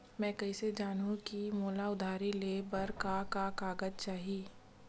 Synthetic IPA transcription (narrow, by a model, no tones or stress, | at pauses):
mɛ̃ːkɐised͡ʒaːnũkimoːlaʊd̪ʱaːɾileːbɐɾkakakaːɡəd͡ʒ̚t͡ʃaːɦieː